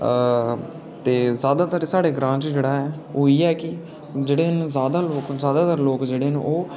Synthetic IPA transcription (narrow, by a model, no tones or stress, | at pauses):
t̪eːzjaːd̪aːt̪əɾsaːɽeːɡɾãːt͡ʃd͡ʒeːɽaːɦɛːoːiːɛːkɪ | d͡ʒeːɽeːnzjaːd̪aːloːkzjaːd̪aːt̪əɾloːkd͡ʒeːɽeːñ̰ːʔoː